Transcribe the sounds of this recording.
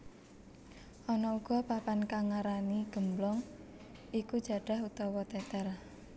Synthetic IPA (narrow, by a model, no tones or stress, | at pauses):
ʔɔnɔuɡ̥ɔ̤papankaŋaɾaniɡ̥ə̤mblɔŋ | ikud̥ʒ̥ä̤ɖ̥a̤ɦut̪ɔwɔt̪ɛt̪ɛr